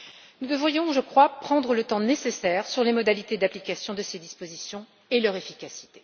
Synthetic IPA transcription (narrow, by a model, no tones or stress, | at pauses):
nud̪əvʁijɔ̃ʒəkχwapχɑ̃d̪ʁələt̪ɑ̃nesesɛːʁsyʁlemɔd̪alit̪ed̪aplikʲasjɔ̃d̪əsed̪ispozisjɔ̃ | elœʁefikʲasi̥t̪e̥